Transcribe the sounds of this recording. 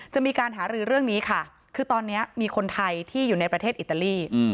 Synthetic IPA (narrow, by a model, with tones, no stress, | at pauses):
t͡ɕa˨˩ʔmiː˧kaː˧nɦaː˩˦ɾɯː˧ɾɯ˥˩əŋniː˦˥kʰa˥˩ | kʰɯː˧t̪ɔː˧nːi˦˥ɐmiː˧kʰo˧nt̪ʰa˧jt̪ʰiː˥˩juː˨˩na˧jpɾa˧t̪ʰeː˥˩t̪̚ʔt̪ːa˧liː˥˩